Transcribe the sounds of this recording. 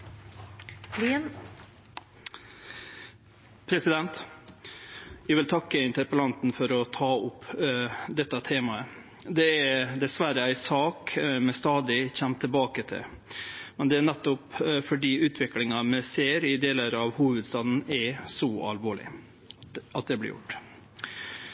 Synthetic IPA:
pʰɾɛsɪd̪ɛnt̪ | jɛʋɪlt̪ʰɑkːəɪnt̪əɾpəlɑnt̪n̩fɔɾɔt̪ʰɑːʊpː | d̪ɛt̪ːɑt̪ʰeːmɑə | d̪ɛæɾd̪ɛsʋæɾəæɪsɑːkmɛst̪ɑːd̪ɪçɛmt̪ʰɪlbɑːkət̪ʰɪ̰ | mɛnd̪ɛænɛt̪ːʊpfɔɖiːʉːt̪ʰʋɪklɪŋɑmɛseːɾɪd̪eːləɾɑʋhuːʋəd̪st̪ɑːd̪n̩ɛsɔɑ̰lʋoːɭɪ̰ | ɑt̪̚d̪ɛblɪ̰ɾjʊ̰ʈː

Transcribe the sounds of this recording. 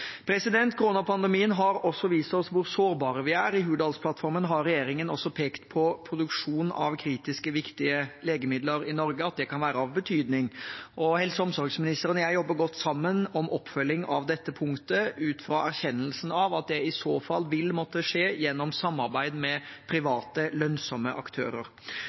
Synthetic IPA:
pʰɾɛsɪd̪ɛnt̪kʰʊɾuːnɑpʰɑnd̪ɛmiːənɦɑɾɔsːɔʋiːst̪ɔsʋʊɾsoːɾbɑːɾəʋɪæːɾɪɦʉːd̪ɑːlspʰlɑt̪fɔɾmənɦɑɾɾɛjeːɾɪŋənɔsɔpʰeːkt̪pʰɔpʰɾʊd̪ʉkʂuːnɑ̰ʋkʰɾiːt̪ɪskəʋɪkt̪ɪəleːɡəmɪd̪ləɾɪnɔɾɡəɑt̪̚d̪ɛkʰɑnʋæːɾəɑʋbət̪ʰyːd̪nɪŋʔɔhɛlsəɔmsɔɾɡsmɪnɪst̪əɾənjæɪjɔbːəɾɡɔt̪ːsɑmːənɔmɔpːfœlːɪŋɑʋd̪ɛt̪ːəpʰʊŋkt̪əʉːt̪fɾɑʔæɾçɛnːəlsn̩ɑʋɑt̪̚d̪ɛɪsoːfɑlːʋɪlmɔt̪ːəʂeːjɛnːɔmsɑmːɑɾbæɪd̪mɛpʰɾɪʋɑːt̪əlœnsɔmːəʔɑ̰kt̪ʰø̰ːɾə̰ɾ

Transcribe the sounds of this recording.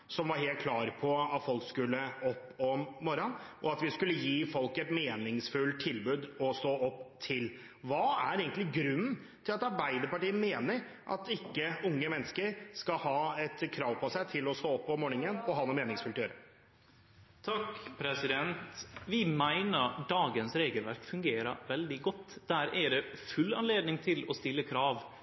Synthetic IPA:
sɔmʋɑɾɦeːlt̪̚kʰlɑːɾpʰɔɑt̪fɔlkskʉlːəɔpːɔmːɔɾɔnʔɔɑt̪ʋɪskʉlːəjiːfɔlkɛt̪meːnɪŋsfʉlt̪ʰːɪlbʉːd̪ɔst̪oːɔpːt̪ʰɪl | ʋɑːæɾeːɡənlɪɡɾʉn̩ː | t̪ʰɪlɑt̪ɑɾbæɪd̪əpɑʈiːəmeːnəɾʔɑ̰t̪ɪkːəʊŋːəmɛnːəskəɾskɑhɑːɛt̪kʰɾɑːʋpʰɔsæɪt̪ʰɪlɔst̪oːɔpːɔmoːɳɪŋənɔɦɑːnɔmeːnɪŋsfʉlt̪ʰəjøːɾə | t̪ʰɑkːpʰɾɛsɪd̪ɛnt̪ʋɪmæɪnəɾɖ̪ɑːɡənsɾeːɡəlʋæɾkfʉŋɡeːɾə̰ʋɛld̪ɪɡɔt̪ːd̪æɾɛɾɛfʉlːɑ̰nleːd̪nɪŋt̪ʰɪlɔst̪ɪlːəkʰɾɑːʋ

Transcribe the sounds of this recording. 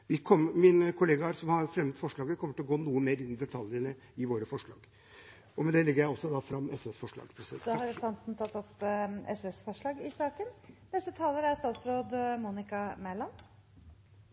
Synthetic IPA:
ʋɪkʰɔmːəmɪnkʰʊleːɡɑæɾsɔmhɑɾfɾɛmət̪fɔʂɭɑːɡəkʰɔmːəʈɪlɔɡoːnuːəmeːɾɪnːɪd̪ɛt̪ʰɑljənə | ɪʋoːɾəfɔʂɭɑ̰ːɡ | ɔmɛnd̪ɛlɛɡəɾjæɪɔsːɔd̪ɑfɾɑmːɛsɛsfɔʂɭɑ̰ːɡspʰɾɛsd̪hɑɾsɑnt̪n̩t̪ʰɑt̪ːɔpːɛsɛsfɔʂɭɑːɡɪsɑːkənnɛst̪ət̪ʰɑːləɾæɾst̪ɑːt̪sɾoːd̪muːnɪkɑmælɑn

